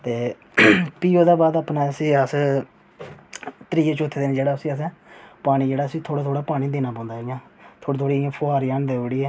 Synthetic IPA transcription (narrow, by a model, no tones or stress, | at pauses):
t̪eː | piːoːd̪aːbaːd̪apnaːəsĩːəs | t̪ɾiːeːt͡ʃot̪ʰːeːd̪ɪːnːd͡ʒeːɽaːʊsĩːəs̬ɛ̃ːpaːɽ̃iːd͡ʒeːɽaːəsĩːt̪ʰoːɽaːt̪ʰoːɽaːpaːɽiːd̪iːnaːpãːnd̪aːjãːt̪ʰoːiːt̪ʰoːɽiːãːpʰoaːɾiaːnd̪eːɽiːɛː